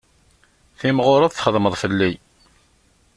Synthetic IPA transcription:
θimʁʊɾˤɑðˤθχəðˤməðˤfəlːi

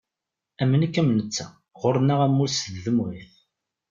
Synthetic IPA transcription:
æmːənækːæmnət͡sːæ | ʁʊɾənːaʁæmːʊlsððəmwiθ

